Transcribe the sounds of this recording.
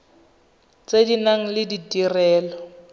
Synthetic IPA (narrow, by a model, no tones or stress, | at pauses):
t͡sʼedinaŋ̩lɪdidirɛːlɔ